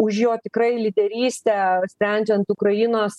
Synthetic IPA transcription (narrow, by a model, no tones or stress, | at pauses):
ʊʃjoːt̪ʲɪkɾɐɪlʲid̪ʲɛɾʲiːsʲt̪ʲɛːsʲpʲɾʲɛnʲd͡ʒʲɛnt̪ʊkɾɐjɪnoːs